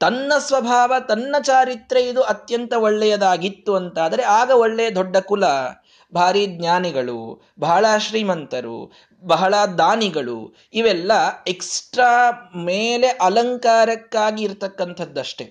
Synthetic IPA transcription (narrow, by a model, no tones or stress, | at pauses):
t̪ɐnːɐsʋɐbʱaːʋɐt̪ɐnːɐt͡ʃaːɾit̪ɾeid̪uɐt̪jɐnt̪ɐoɭːɛjɐd̪aːɡit̪ːuɐnt̪aːd̪ɐɾe̞aːɡɐoɭːɛjɐd̪ɔɖːɐkulɐ | bʱaːɾiɡ̪ɲaːniɡɐɭṵ | bɐɦɐɭaʃɾiːmɐnt̪ɐɾṵ | bɐɦɐɭɐd̪aːniɡɐɭṵ | iʋɛlːɐeksʈɾaːmeːle̞ʔɐlɐŋkaːɾɐkːaːɡiːɾt̪ɐkːɐnt̪ʰɐd̪ːɐʂʈe